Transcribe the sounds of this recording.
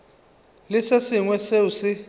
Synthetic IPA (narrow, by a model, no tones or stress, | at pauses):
lɪsesɪŋwɛseusɪ